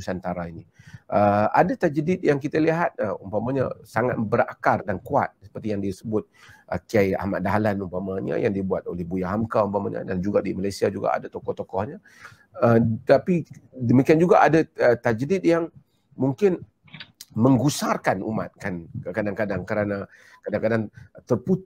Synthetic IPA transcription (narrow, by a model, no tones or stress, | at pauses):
usant̪aɾainiʔəa̰dat̪ad͡ʒədɪt̪̚jaŋkit̪aliɦat̪̚əumpamaɲasaŋat̪̚bəɾakardankua̰t̪̚sə̥pərt̪ijaŋdiasəbʊt̪̚ʔəkiaja̰hmaʔdaɦalanumpamaɲa̰jaŋdibuat̪̚olɛhbujaɦamkaumpamaɲa̰dand͡ʒuɡadimalajsiad͡ʒuɡa̰a̰dat̪okɔht̪okɔhɲa | ət̪apidəmikiand͡ʒuɡaʔadaət̪ad͡ʒdɪt̪̚jaŋ | muŋkɪn | məŋɡusarkanṵma̰t̪̚kankəkadaŋkadaŋkəɾana | kadaŋkadaŋt̪ərput̪